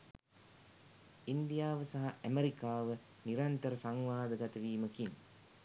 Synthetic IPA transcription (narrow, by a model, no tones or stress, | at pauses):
ind̪ijaːʋəsaɦaʔæmeɾikaːʋə | niɾant̪əɾəsaŋʋaːd̪əɡat̪ɐʋiːməkiŋ